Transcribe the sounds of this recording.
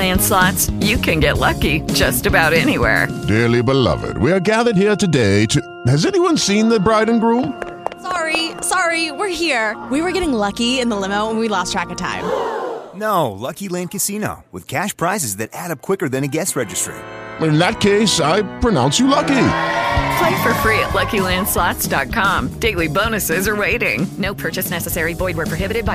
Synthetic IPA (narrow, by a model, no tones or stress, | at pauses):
æ̃nslɑtsjɨkʰɨ̃nɡɛʔˡlʌkid͡ʒʌstɨbaʊɾɛniwɛ̰ɹd̥ɛɹlˠibəlʌ̰vɪ̰d̚wiə˞ɡæðə˞d̚hiɹtɨdeɪtʰɨ | hɨzɛniwʌ̃nsĩnðɨbɹaɪdⁿn̩ɡɹũm | sɑɹisɑɹiwɪɹhiɹwiwə˞ɡɛɾɪ̃ŋlʌkiɪ̃nðəlɪ̃moʊwə̃nwilɔstʰɹ̥ækɨtʰã̰ɪ̃mnoʊlʌkilæ̃ndkɨsino̰ʊwɨ̰ð̥kʰæʃpʰɹ̥aɪzɨzðɨɾæɾʌp̚kʰw̥ɪkə˞ðɨ̃nɨɡɛsɹɛd͡ʒɨstɹ̥ḛɪtɪ̃nðɨt̚kʰeɪsaɪpʰɹ̥ɨnã̰ʊ̃nsjɨlʌkipʰl̥eɪfə˞fɹiɨ̰ʔˡlʌkilæ̃nd̥slɑtsd̥ɑt̚kʰɑ̃md̥eɪlˠibõʊ̃nɨsɪzə˞weɪɾɪ̰̃ŋnoʊpʰɜ˞t͡ʃɨsnɛsɨsɛɹibɔɪd̚wə˞pʰɹ̥oɦɪbɨɾɨd̚baɪ